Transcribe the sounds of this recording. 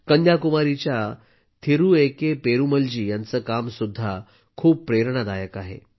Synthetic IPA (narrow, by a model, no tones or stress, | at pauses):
kənd̪jakumaɾit͡ɕja | t̪ʰeɾuːekepeɾuməld͡ʑiːjant͡səːkamsud̪ʱːa | kʰuːp̚pɾeɾɳ̃ad̪ajəkaɦḛ